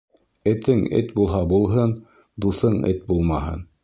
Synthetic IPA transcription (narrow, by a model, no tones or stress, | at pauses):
ɘ̆t̪ɘŋɘ̰t̪bulˠɦɑbulˠɦɤn | d̪uθɤɴɘ̰t̪̚bulˠmɑhɤ̰n